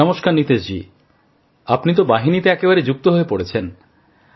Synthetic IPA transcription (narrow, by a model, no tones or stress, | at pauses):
ɔmoʃkaɾnit̪ed͡ʑḭ | apnit̪̬obaɦinit̪eɛkebaɾed͡ʑuk̚t̪oɦoepoɽet͡ɕʰen